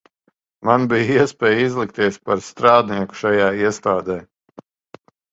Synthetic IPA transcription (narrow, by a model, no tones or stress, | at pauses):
manbijiɛspʲɛːjizlˠik̚t̪iɛspaɾst̪ɾaːd̪niɛku̥ʃajaːiɛst̪aːd̪ɛj